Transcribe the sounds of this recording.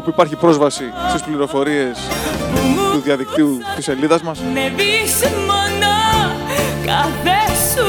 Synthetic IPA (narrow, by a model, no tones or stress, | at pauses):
opuipɐɾçipɾo̞zvɐsist̪ispliɾo̞fo̞ɾie̞s | t̪uðiɐðik̚t̪iut̪ise̞liðɐzmɐsmevismonɐ | kɐθes